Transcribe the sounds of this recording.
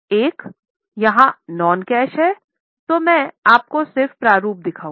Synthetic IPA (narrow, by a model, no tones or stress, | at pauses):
eːk | jɐɦãnɔːnkɛːʃɦɛ | t̪omɛ̃aːp̚kosɪɾfpɾaːɾuːp̚d̪ɪkʰaːũ